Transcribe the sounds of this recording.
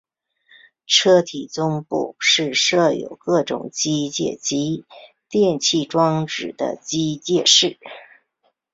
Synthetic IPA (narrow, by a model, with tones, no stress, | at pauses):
ʈ͡ʂʰɤ˥t̪ʰi˨˩t͡sʊ˥ŋpṵ˥˧ʂɻ̩˥˧ʂɤ˥˩jo̰˨˩ʊkɤ˥˩ʈ͡ʂʊ̰˨˩˦ŋt͡ɕi˥t͡ɕjɛ̰˥˩t͡ɕi˧˥ | t̪jɛ˥˧nt͡ɕʰi˥˩ʈ͡ʂwɑ˥ŋʈ͡ʂɻ̩˨˩d̪ə̰˦t͡ɕi˥t͡ɕjɛ˥˧ʂɻ̩˥˩